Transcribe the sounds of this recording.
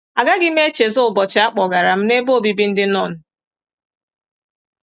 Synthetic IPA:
a˨ɡa˦ɡɪ˦m̩˦e˦t͡ʃe˨zʊ˦ʊ˨bɔ˨t͡ʃɪ˨a˦k͡pɔ˨ɡa˨ɾa˨m̩˦ne˦bo˦o˦˨bi˦bi˦n̩˦dɪ˦nɔ˦˨n̩˨

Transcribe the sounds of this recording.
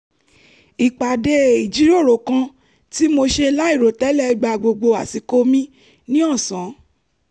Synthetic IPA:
i˨k͡pa˨de˧i˨d͡ʒi˨˦ɾo˦˨ɾo˨kã˧˦ | ti˦mo˧ʃe˧i˧la˦i˦˨ɾo˨tɛ˨˦lɛ˦i˧ɡ͡ba˧˨ɡ͡bo˧ɡ͡bo˧a˨ti˨˦ko˦mĩ˦ | nĩ˦ɔ̃˦˨sã˨˦

